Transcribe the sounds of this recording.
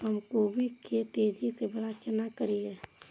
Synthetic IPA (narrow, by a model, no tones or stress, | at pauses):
ɦəmkobʱiket̪eːd͡ʒisebəɽakɪnakəɾie